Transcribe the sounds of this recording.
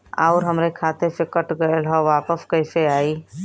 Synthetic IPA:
a̰ʊɾɦəmɾekʰat̪ʰepʰekəʈɡəlɦə̃ʋapəskəjseai

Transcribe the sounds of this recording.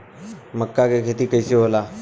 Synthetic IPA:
məkːakekʰet̪iːkəjseɦola

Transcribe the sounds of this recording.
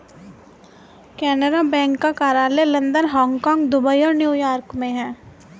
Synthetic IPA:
kɛːnəɾabɛ̃ːŋkːakaːɾaːlelɐ̃nd̪ənɦɔ̃ːŋɡkɔ̃ːŋɡd̪ʊbəiɔːɾnjuːjaːɾkmẽɦɛ̃ː

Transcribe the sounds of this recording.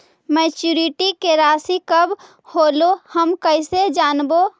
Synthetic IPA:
mɛːt͡ʃuːɾiʈikeɾaːsikəb | hoːlohəmkəɪsed͡ʒaːnbo

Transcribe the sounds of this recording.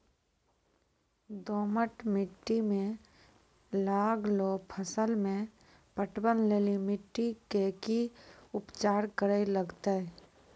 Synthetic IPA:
d̪oːməʈmɪʈːimẽ | laːɡlopʰəsəlmẽ | pəʈwənleːlimɪʈːikekiʊpt͡ʃaːɾkəɾəiləɡt̪aɛ

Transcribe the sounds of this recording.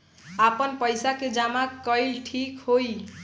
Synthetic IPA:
apənpəjsaked͡ʒamakːʌjlʈʰikhoj

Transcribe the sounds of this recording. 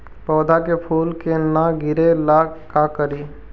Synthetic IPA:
pɔːd̪ʱakepʰuːlkenaɡʱɪɾelakakəɾi

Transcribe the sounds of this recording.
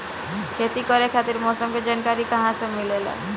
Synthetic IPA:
kʰet̪ikɔɾekʰat̪iɾmɔsomked͡ʑankaɾikãɦãsemilela̰

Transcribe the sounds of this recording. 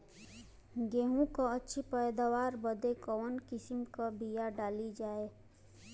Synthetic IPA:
ɡeːɦũkaətːʃʰipɛɪd̪aʋaːɾbəd̪ekɔːnkɪsɪmkabijaɖaːlid͡ʒaːeː

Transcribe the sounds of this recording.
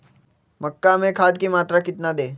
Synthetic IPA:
məkːamekʰad̪̚kiːmat̪ɾakit̪nad̪e

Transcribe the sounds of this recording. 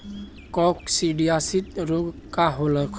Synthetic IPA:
kɔksiɖijasit̪ɾoɡkaɦoləkʰ

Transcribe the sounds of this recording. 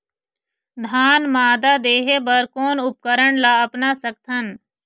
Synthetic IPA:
d̪ʱaːnmaːd̪ad̪eːɦebəɾkoːnʊp̚kəɾəɳlaəpnasək̚t̪ʰən

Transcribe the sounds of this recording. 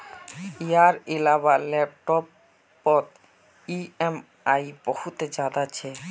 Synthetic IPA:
iaɾelaβalɛp̚ʈɔpː | ɔt̪ | iem | ajbohut̪ed͡ʑad̪at͡ɕʰe

